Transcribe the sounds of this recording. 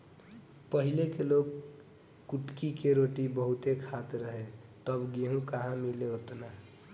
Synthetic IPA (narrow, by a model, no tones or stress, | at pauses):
pəɦilekeloɡ | kuʈkikeɾoʈibəɦut̪ekʰat̪ɾəɦet̪əbɡeɦũkaɦãmileɦot̪na